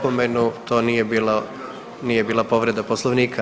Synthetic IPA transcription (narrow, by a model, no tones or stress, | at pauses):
pomenut̪o̞ːnijebiːla | niːjebiːlˠapo̞ʋɾe̞d̪aposlˠoʋniːkʰa